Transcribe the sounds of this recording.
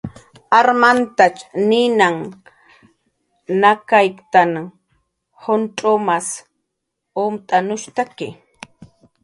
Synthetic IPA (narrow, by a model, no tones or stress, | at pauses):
aɾmant̪at͡ʃnɪnaŋ | nakajkt̪an | honʈ͡ʂʼomas | omt̪ʼanʊʃt̪akɪ